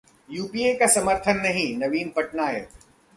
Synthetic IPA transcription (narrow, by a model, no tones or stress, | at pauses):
juːpiekasɐməɾt̪ʰənːɐɦĩnɐʋiːnpɐʈnaːḛ